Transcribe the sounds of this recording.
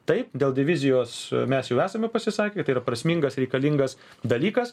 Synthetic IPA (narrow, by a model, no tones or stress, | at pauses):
t̪ɐɪpd̪ʲeːlˠdʲɪʋʲɪzʲɪjoːsmʲɛsjɛʊæːsɐmʲɛpɐsʲɪsɑːkʲekt̪ɐɪiːɾɐpɾɐsʲmʲiŋɡɐsɾʲɛɪkɐlʲɪŋɡɐs | d̪ɐlʲiːkɐs